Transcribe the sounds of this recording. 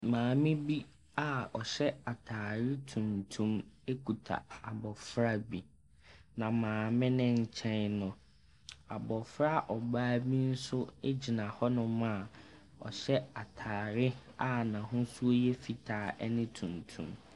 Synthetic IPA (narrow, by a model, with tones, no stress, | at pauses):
mãː˨mɪ̃˦bi˦ | a˨ɔ˨ɕɛ˦a˨tʰaː˨ɾɪ˦tʰũ˨ntʰũ˦me˦kʰu˨tʰa̰˨a˨bɔ˨fɾa˦bi˨ | nã˨mãː˨mɪ̃˦nɪ̃˦ɲ̩˨t͡ɕʰɛ̃˦nnʊ̃˨ | a˨bɔ˨fɾa˦ʔɔ˨baː˦bi˦n̩˦sʊ˦e˦d͡ʑi˨nã˨hɔ˦nʊ̃˦ma˦˨ | ɔ̰˨ɕɛ˦a˨tʰaː˨ɾɪ˦a˦nã˨ɦʊ̃˦su˦o˦jɛ˦fi˨tʰaː˨ʔɛ˦nɪ̃˦tʰũ˨ntʰṵ̃˨˦m